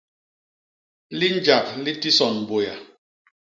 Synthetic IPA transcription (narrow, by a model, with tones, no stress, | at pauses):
li˦n˦d͡ʒa˨pli˦ti˦sɔ˨n˨bo˨ja˨